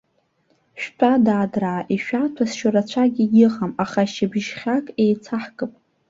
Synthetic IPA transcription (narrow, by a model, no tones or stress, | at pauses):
ʃᶣtʷʼadaːdraːʔiʃᶣatʷʰasʃʊɾat͡ɕʷʰaɡʲijɪʁamaχaʃɪbʒχʲakʼejt͡sʰaħkʼɨpʼ